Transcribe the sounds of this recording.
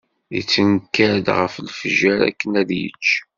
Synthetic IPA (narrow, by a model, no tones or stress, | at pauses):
it͡sːənkːæɾd̪ʁəflfəʒæɾæ̰kːənæðjə̰t͡ʃː